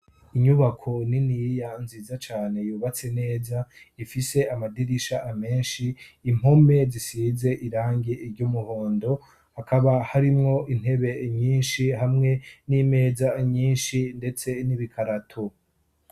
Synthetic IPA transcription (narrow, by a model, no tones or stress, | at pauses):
iɲuβakʰo̞ninijanziːzat͡ʃaːne̞juːβat͡se̞ne̞ːza | ifise̞amadiɾiʃaʔame̞ːnʃiːm̥ho̞me̞zisiːze̞ʔiɾaːŋɡeiɾɟumuhoːndo̞ | hakʰaβahaɾimŋo̞ʔin̥he̞βe̞ɲiːnʃiɦamŋe̞nime̞ːzaɲiːnʃinde̞t͡se̞niβikʰaɾatʰo